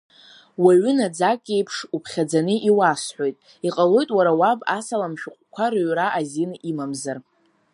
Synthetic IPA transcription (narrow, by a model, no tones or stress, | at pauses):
waɥʏnad͡zakʼːe̞jpʰʂupʰχʲad͡zanɨʔiwasħʷᶣo̞jtʼ | iqʼalo̞jtʼwaɾawabasalamʃᶣʊqʷʼkʷʰarɨɥraʔazinimamzar